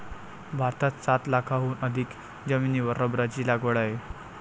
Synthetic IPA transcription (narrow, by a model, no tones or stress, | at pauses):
bʱaɾt̪at̪sat̪lakʰaɦuːnəd̪ʱiːk | d͡ʑəminiːʋəɾəbɾat͡ɕiːlaɡəɭaje